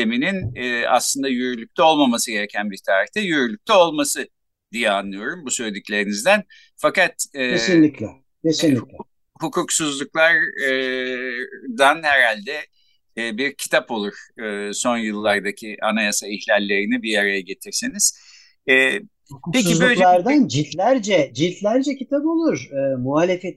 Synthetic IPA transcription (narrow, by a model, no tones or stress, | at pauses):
emininɛa̰slˠɯnd̪ajyɾylʲyc̚ʲt̪ʰɛo̞lˠmamasɯɟe̞ɾecʰænbiɾt̪ʰaːɾiht̪ʰɛjyɾylʲyc̚ʲt̪ʰɛo̞lˠmasɯ | d̪ijɛanlˠɯjo̞ɾumbusø̞jd̪yclʲe̞ɾinizd̪æn | fakat̪ɛːeinlʲiklʲɛ | esinlʲiɛ | hukʰuksuzlˠuklˠaɾ | d̪anhɛɾalʲd̪ɛ | biɾcʰi̥t̪ʰapo̞lˠuɾ̥ɯːso̞njɯlˠːaɾd̪acʰiʔanajasaiçlʲalʲːe̞ɾinibiɾjaɾajaɟe̞t̪ʰiɾsiniz̥ | ɛː | huupʰecːizbøjˠaɾd̪and͡ʒit̪lʲæɾd͡ʒɛd͡ʒit̪lʲæɾd͡ʒɛcit̪ʰapo̞lˠuɾ̥ɯːmuɦaːlʲe̞fet̪